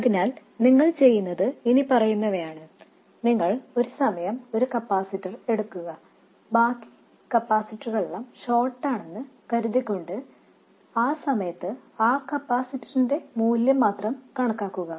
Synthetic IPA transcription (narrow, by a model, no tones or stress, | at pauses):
ɐðinaːl | niŋːɐɭt͡ɕe̞jːunːɐðɨenipɐrɐjunːɐʋɐjaːɳɨ | niŋːɐɭo̞ɾusɐmɐjɐmo̞ɾukɐpːaːsitːɐre̞ɽukːuɣɐ | baːkːi̥ | kɐpːaːsitːruɣɐɭuɭːɐmɕo̞ːʈːaːɳe̞nːɨkɐɾuðikʲːo̞ɳɖɨ | aːsɐmɐjɐt̪ːɨaːkɐpːaːsitːɐrinde̞muːljɐmːaːt̪rɐmkɐɳɐkːaːkːuɣɐ